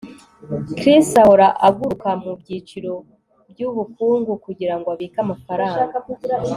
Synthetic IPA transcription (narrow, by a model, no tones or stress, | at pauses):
kɾisaoɾaʔaɡuɾukamubɟiːt͡ʃiɾo̞ | bjuβukuːŋɡukuɟiɾaŋɡoaβikamafaɾaːŋɡaa